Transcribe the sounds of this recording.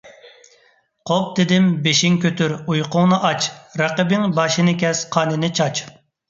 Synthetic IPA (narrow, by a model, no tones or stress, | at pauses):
qʰop̚d̪ɪd̪ɪmbeʃiŋkʲʰøt̪yɾujqʰʊŋnɨʔɑt͡ʃɾɑqəbɪŋbɑʃɨnɨkʲɛsqʰɑːnɨnɪt͡ʃʰɑt͡ʃ